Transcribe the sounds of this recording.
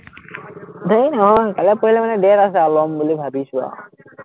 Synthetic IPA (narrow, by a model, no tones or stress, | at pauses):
d̪ʱəjnɔɦɔ̃nkalɛpoɦilemanɛɖeɾasɛalɔmbolibʱabiʃuba̰